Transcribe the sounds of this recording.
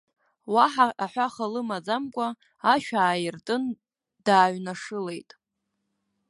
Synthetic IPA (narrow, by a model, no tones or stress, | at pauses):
waħaaħʷᶣaχalɨmad͡zamkʷʼa | aʃᶣaːjɪrtʼɨn | d̥aːɥnaʂɨle̞jtʼ